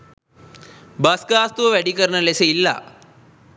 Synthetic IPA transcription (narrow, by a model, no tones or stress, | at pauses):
bɐskaːst̪uʋʋeɽikɐɾɐɳɐlesɐilːa̰